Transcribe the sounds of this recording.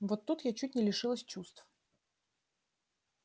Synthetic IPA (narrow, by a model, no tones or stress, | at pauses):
vot̪ːut̪jat͡ɕut̚ʲnʲɪlʲɪʂɨlˠəsʲt͡ɕust̪f